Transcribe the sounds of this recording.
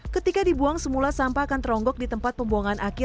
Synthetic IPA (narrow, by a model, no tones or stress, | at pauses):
kət̪ikadibuaŋsəmulasampakant̪əɾɔŋɡɔk̚dit̪əmpat̪̚pəmboaŋanʔakɪ